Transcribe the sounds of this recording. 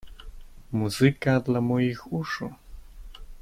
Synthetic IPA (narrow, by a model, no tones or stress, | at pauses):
muzɨkad̪lʲˠɐmɔjixuʂu